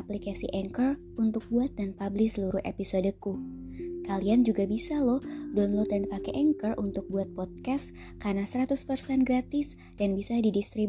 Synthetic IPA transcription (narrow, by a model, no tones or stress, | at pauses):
aplikasḭʔɛŋkər | unt̪ʊk̚buat̪̚danpablɪhsəluɾʊhʔḛpisodəkukaliand͡ʒuɡabisalɔhdɔnlɔt̪̚dandipakɛʔɛŋkərʔṵnt̪ʊk̚buat̪̚pɔt̪̚kas | karnasəɾat̪ʊspərsɛnɡɾat̪ɪs | d̥anbisadidist̪ɾi